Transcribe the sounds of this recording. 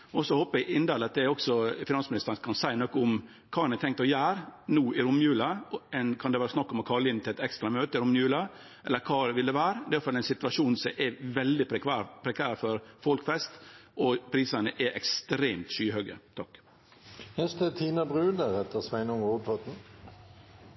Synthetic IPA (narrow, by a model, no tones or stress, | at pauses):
ɔsɔhoːpəɾɛɡɪnd̪ælɑt̪̚d̪ɛɔksɔfɪnɑnsmɪnɪst̪əɾnkʰɑnsæɪnɔkːɔʊm | kʰɑːɛnæt̪ʰɛŋkt̪ɔjæːɾnuːɪɾʊmːjʉːlɑɛnkʰɑnd̪ɛʋæːɾəsnɑkːɔmɔkʰɑlɪnt̪ɪlɛt̪ɛkst̪ɾɑmøːt̪əɪɾʊmːjʉːlɑ | ʔɛlːəɾkʰɑːʋɪld̪ɛʋæːɾd̪ɛɑfɑlːæɪnsɪt̪ʉɑʂuːnsɔʔɛʋɛld̪ɪpʰɾɛkʰæːɾfɔɾfɔlkfɛst̪ʔɔpʰɾiːsənəʔɛʔɛkst̪ɾeːmt̪ʃyːhœɡə̰t̪ʰɑkː | hɛst̪ət̪ʰiːnɑbʁʉːd̪əɾɛt̪əʁsʋæɪnʊŋuːpʰɔt̪n̩